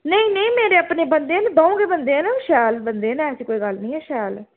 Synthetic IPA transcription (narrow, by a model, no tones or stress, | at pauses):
nəĩnəĩːmeːɾeːəpneːbənd̪eːnbaːũːŋɡeːbənd̪eːnãʃɛːlbənd̪eːnɛ̃ːəsiːkoːiːɡəlnĩːɛːʃɛːl